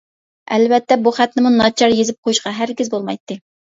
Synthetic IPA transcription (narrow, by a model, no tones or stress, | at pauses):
ɛ̰lvɛt̪ːɛbuχæt̪nɪmunɑt͡ʃʰɑɾjezɪp̚qʰojuʃqɑɦæɾɡʲizbolˠmɑjt̪ːɨ